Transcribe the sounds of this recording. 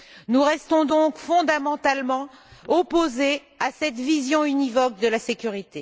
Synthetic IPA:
nuʁɛst̪ɔ̃d̪ɔ̃kfɔ̃d̪amɑ̃t̪almɑ̃ | ɔpoze | asɛt̪vizjɔ̃ynivɔk̚d̪əlasekʲyʁit̪e

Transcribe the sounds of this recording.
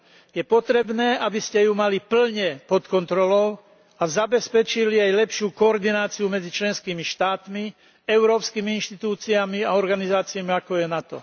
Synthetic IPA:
jɛpɔt̪ɾɛbnɛːʔabiscɛjumalipl̩ɲɛpɔt̪kɔnt̪ɾɔlɔʊ | azabɛspɛt͡ʃiliajlɛpʃɪuːkɔːɾd̪inaːt͡siumɛd͡zit͡ʃlɛnskiːmiʃt̪aːt̪mi | ɛʊɾɔːpskimiinʃt̪it̪uːt͡siamiaɔɾɡanizaːt͡siamiakɔjɛnat̪ɔ̰

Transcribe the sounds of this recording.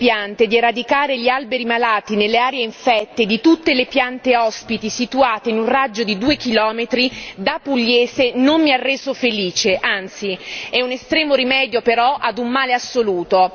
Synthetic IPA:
pjant̪ed̪ieɾad̪ikaːɾeʎialbeɾimalaːt̪inelːeaːɾjeiɱfɛt̪ːed̪it̪ut̪ːelepjant̪eɔspit̪isit̪uaːt̪einunrad͡ʒːod̪id̪uːekilɔːmet̪ɾid̪apːuʎːeːzenommiarːeːzofeliːt͡ʃeʔant̪siɛunest̪ɾɛːmoɾimɛːd̪jopeɾɔʔad̪umːaːleasːoluːt̪o

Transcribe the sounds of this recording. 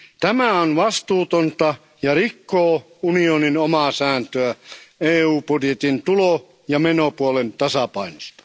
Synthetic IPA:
t̪æmæonʋɑst̪uːt̪ont̪ɑ | jɑrikːoː | unioninomɑˑsæːnt̪øæeːuːpudjet̪int̪ulo | jɑmenopuolent̪ɑsɑpɑinost̪ɑ̥

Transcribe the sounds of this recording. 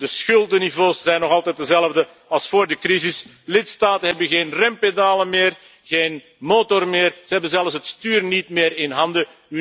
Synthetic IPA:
dəsxʏlˠdənivoːsz̥ɛjnːɔɣɑlˠtɛt̚dəzɛləvdə | ɑlˠsfoːrdəkrizɪs | lɪtstaːtənɦɛbənɣeːnrɛmpedaːləmeːr | ɣeːn | moːtɔrmɪːrz̥əɦɛbənzɛlˠfsɦətstyːrnitmɪːɾɪnɦɑndə

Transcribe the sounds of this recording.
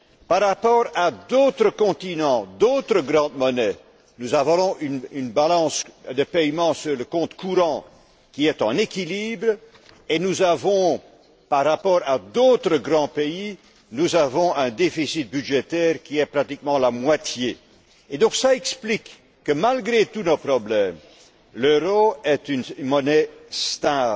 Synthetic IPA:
paʁːapɔʁad̪ot̪χəkɔ̃t̪inɑ̃d̪ot̪χəɡʁɑ̃d̪mɔnɛ | nuzavɔ̃ɔ̃ynynbalɑ̃sd̪əpɛjmɑ̃syʁləkɔ̃t̪kʰuʁɑ̃ | kʲiɛt̪ɑ̰̃nekʲilibʁ | enuzavɔ̃ | paʁːapɔʁad̪ot̪χəɡʁɑ̃pei | nuzavɔ̃ʔɛ̃d̪efisit̪̚byʒet̪ɛʁkʲiɛpχat̪ikmɑ̃lamwat̪je | ed̪ɔ̃ksaɛksplikː | əmalɡʁet̪unopχɔblɛm | løʁoɛt̪ynmɔnɛst̪ɛ̃

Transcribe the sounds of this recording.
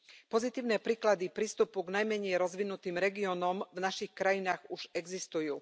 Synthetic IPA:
pɔzit̪iːʊnɛːpɾiːklad̪ipɾiːst̪upuɡnajmɛɲɛjɾɔzʋinut̪iːmɾɛɡiɔːnɔmvnaʃixkɾajinaːɣuʒɛɡzist̪ujuː

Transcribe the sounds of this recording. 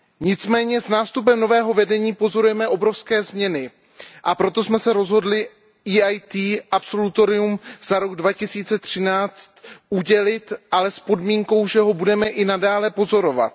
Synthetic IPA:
ɲɪt͡smɛːɲɛznaːst̪up̬ɛmno̞vɛːɦo̞vɛdɛɲiːpo̞zo̞ɾujɛmɛʔo̞bɾo̞fskɛːzmɲɛnɪ | ʔapɾo̞t̪o̞smɛsɛɾo̞zɦo̞dlɪ | iːajt̪iːʔapso̞lut̪o̞ɾɪumz̥aɾo̞ɡdvacɪsiːt͡sɛt̪r̝̥ɪnaːt͡st̪uɟɛlɪt̪ʔalɛspo̞dmiːŋko̞wʒɛɦo̞budɛmɛʔɪnadaːlɛpo̞zo̞ɾo̞va̰t̪̚

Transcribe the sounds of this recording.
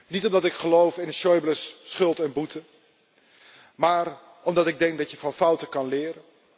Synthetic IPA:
nitɔmdɑtɪkχəlowfɪnəsɔjbləsːχɵlˠtɛnbutə | maːr | ɔmdɑtɪɡ̚dɛŋk̚dɑtjəvɑnfʌwtəkɑnlɪːɾə

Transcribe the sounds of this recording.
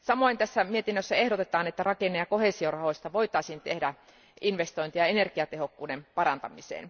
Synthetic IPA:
sɑmoint̪æsːæmiet̪inːøsːæehɾot̪et̪ɑːnet̪ːærɑkenːeɑkoheˑsiorɑhoisʲt̪ɑʋoit̪ɑˑisiːnt̪ehdæ | ʔinʋest̪oint̪iɑenerkiɑt̪ehokːuːdempɑɾɑnt̪ɑmisḛːn

